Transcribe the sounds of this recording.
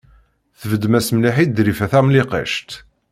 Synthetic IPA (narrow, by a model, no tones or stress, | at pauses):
θəvəd̪mæsmliħid̪ɾifæθæmliqæ̰ʃt̪